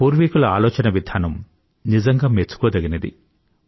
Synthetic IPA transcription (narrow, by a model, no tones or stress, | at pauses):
puːɾʋikulɐa̰ːloːt͡ʃɐnɐʋid̪ʱaːnɐm | nizɐŋɡaːmet͡ʃːu̥koːd̪ɐɡinɐd̪ḭ